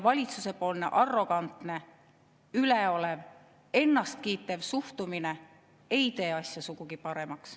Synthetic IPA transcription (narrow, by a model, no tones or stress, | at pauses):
vɑlʲit̪suse̞po̞ːlne̞̰ʔɑrːo̞ɡ̥ɑnt̪ne̞ | yleo̞le̞v | e̞nːɑst̪̚kiːt̪ːˑe̞vsuht̪umine̞ | e̞jt̪e̞ːɑsjɑsuɡ̥uɡ̥ipɑɾe̞mɑks